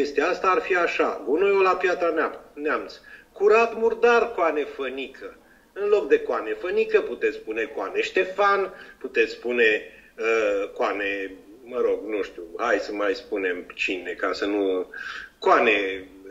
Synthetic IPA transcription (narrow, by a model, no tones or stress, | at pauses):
ke̞st̪aast̪aːrfiaʃaɡunojolapjat̪ɾaneamneamt̪skuɾat̪murd̪arkoane̞fənikʰə | ɨnlo̞kd̪e̞koane̞fənikəput̪e̞t̪sspune̞koane̞ʃt̪e̞fanput̪et̪sspune | əkwane | məɾo̞ɡnuʃt̪ʲuhajsəmajspune̞mt͡ʃine̞kasənu | koane